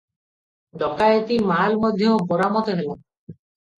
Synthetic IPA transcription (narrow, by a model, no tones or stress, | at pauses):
d̪ɔkajet̪imalmɔd̪ʱjɔpɔɾamɔt̪ɔɦelu